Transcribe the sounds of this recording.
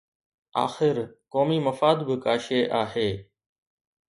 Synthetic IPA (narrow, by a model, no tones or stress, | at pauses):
a̰ːxɪɾkoːmiːməfaːd̪bɪkaːʃeːʔaːɦeː